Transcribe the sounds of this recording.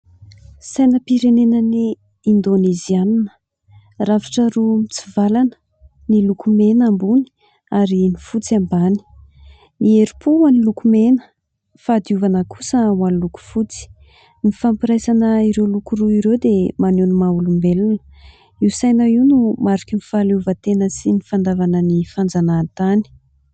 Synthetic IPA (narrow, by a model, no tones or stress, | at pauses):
sajnəpiɾenenəniː | nd̪oneziannə̥ | ravḁʈ͡ʂəɾumit͡sivalanə̥ | nilukumenambuni̥ | aɾinifut͡siambani̥ | ieɾipʰuwanilukumenə̥ | fad̪iuvanəkʰu̥səwanluku̥fut͡si̥ | nifampiɾajsanəiɾewlukuruiɾewd̪emanunumaulumbelunə̥ | iwsajnaiwnumaɾikinifaluvət̪enəsinifand̪avanənifand͡zanat̪ani̥